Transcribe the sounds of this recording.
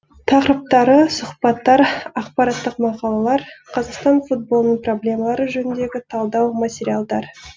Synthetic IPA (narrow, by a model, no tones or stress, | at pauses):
t̪ʰɑqəɾəp̚t̪ɑɾəsʊχpɑt̪ːɑɾɑqpɑɾɑt̪ːəqmɑqɑlˠɑlˠɑɾqʰɑzɑqst̪ɑnfut̪̚bo̞lˠnəɴpro̞blʲe̞mɑlˠɑɾəʒɵnɪnd̪e̞ɡʲɪt̪ʰɑlˠd̪ɑwmatʲeɾijalˠd̪ɑɾ